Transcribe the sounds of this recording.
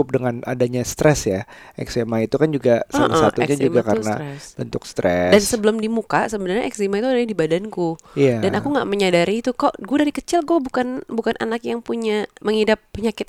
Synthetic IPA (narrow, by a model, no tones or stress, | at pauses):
ʊp̚dəŋana̰daɲast̪ɾɛsja | ɛksemait̪ukand͡ʒuɡasalsat̪uɲad͡ʒuɡakanabənt̪ʊkst̪ɾɛdansəbəlʊmdimukasəbənərɲaʔɛksimait̪uadaɾɲadibadankuiadanakuŋɡaʔməɲadaɾiːt̪ukaʔɡuadaɾikət͡ʃɪlɡuabukanbukanʔa̰nakjaŋpuɲaməŋhidapːəɲakɪt̪̚